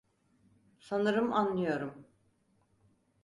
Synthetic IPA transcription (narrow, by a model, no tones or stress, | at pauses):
sanɯɾɯmanlːɯjo̞ɾum